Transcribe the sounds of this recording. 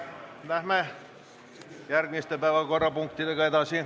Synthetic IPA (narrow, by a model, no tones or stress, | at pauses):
læhmæ | jærkmist̪epæːʋækorɑpuŋkt̪it̪ekɑit̪ɑːˑsie